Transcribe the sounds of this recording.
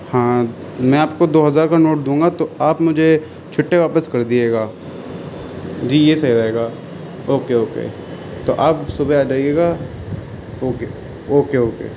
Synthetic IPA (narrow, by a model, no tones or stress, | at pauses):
hãː | mɛ̃aːpkod̪oːɦɐzaːɾkanoːʈ̚d̪ũːŋɡat̪oaːpmʊd͡ʒʱe | t͡ʃʰʊʈːeʋaːpəskɐɾd̪ieːɡaː | d͡ʒiːjesɐiɾaeːɡaː | oːkeoːkḛː | t̪oʔaːpsʊbʱeaːd͡ʒaːieːɡaː | oːke | oːkeoːkḛː